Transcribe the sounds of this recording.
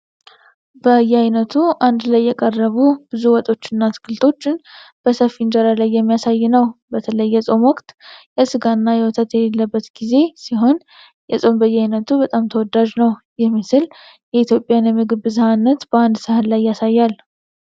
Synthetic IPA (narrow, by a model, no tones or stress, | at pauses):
bəjːɛhajnət̪ʰuʔand̪lajːɛkʼərːəβub̥ɨzuwɔt̪ʼo̞t͡ʃːɪnːat̪ʰɡɨlt̪ʰʼo̞t͡ʃːɪnb̥əsəfind͡ʒəɾalajːɛmːijasajːɪnəwbət̪ʰələjːɛsʼo̞mwɔkt̪jɛsɨɡanːajɛwɔt̪ʰət̪jɛlelːəbːət̪ɡ̥ize̞siɦo̞n | jɛsʼo̞mbəjːɛhajnət̪ʰubət̪ʼamt̪ʰəwɔd̪aʒnəw | jɛmːisɨl | jɛit̪ʰjo̞pʼjanjɛmɨɡɨbɨzhanːət̪bəand̪sɨhɨnlajːasajːal